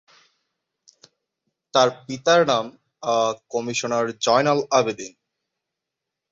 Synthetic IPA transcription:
t̪aɾpit̪aɾnam | akɔmiʃonaɾd͡ʑɔjnalabed̪in

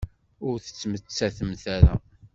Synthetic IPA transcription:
ʊɾθə̥t͡sːmət͡sːæθəmθæɾæ̰

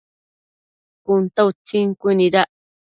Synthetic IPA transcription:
kʊnt̪awt͡siŋkʷiniɾaʔ

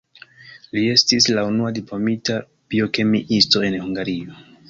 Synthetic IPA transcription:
lie̞stislaunuadiplo̞mita | b̥io̞ke̞miʔisto̞e̞nhuŋɡaɾio̞

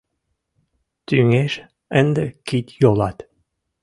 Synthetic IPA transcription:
t̪yŋeʃ | ənd̪əkit̪ʲjolˠɑt̪

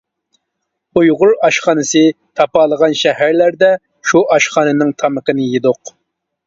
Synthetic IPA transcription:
ujʁʊɾɑʃχɑːnɨsɨ | t̪ʰɑpɑːlˠəʁɑnʃɛhæɾlæɾd̪ɛ | ʃuʔɑʃχɑːnɨnɪŋt̪ʰɑməqənɨjed̪oq

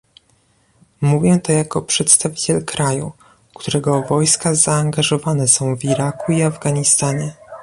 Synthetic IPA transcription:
muvʲjɛt̪ɔjakɔpʂɛt̪st̪avʲit͡ɕɛlkɾajṵ | kt̪uɾɛɡɔvɔjskazaːŋɡaʐɔvanɛsɔ̃w̃viɾakuiavɡaɲist̪aɲɛ

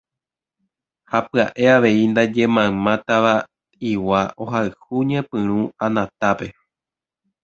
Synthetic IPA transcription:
hapɨaʔe̞aʋe̞ind̪ad͡ʒẽ̞mãmãt̪aʋa | iwaʔo̞ɦaɨhuɲẽpɨ̃ɾ̃ũãnãt̪ape̞

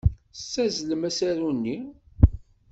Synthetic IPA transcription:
æzləmæsæɾunːi

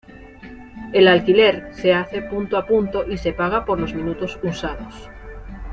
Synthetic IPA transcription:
elalkileɾseaθepunt̪oapunt̪oʔisepaɣ̞apoɾlozmĩnut̪osusaðos

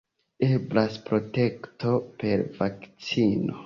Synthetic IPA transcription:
eblaspɾo̞te̞kto̞pe̞ɾvakt͡sino̰

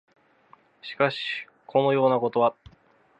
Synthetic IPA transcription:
ɕi̥kaɕi̥ | kʰo̞no̞jo̞ːnako̞t̪o̞βa

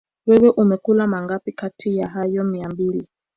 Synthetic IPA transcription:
wɛwɛʔumɛkulamaŋɡapikatʰijaɦajɔmiambili

